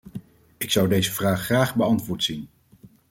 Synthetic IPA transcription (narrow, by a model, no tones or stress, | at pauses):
ɪksʌwdejzəvraːχːraːχbəɑntʋʊːɹtsin